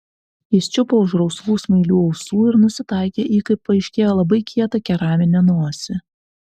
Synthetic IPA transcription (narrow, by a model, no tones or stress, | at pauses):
ɪsʲt͡ʃʲʊpoːʊʒɾɔʊsʋˠuːsmɐɪlʲuːɒʊsuːɪɾnʊsʲɪt̪ɑˑɪkʲeːʔiːkɐɪpːɐɪʃʲkʲeːjoːlˠɐbɐɪkʲʰiɛt̪ɐkʲɛɾɑːmʲɪnʲɛnuɔsʲɪ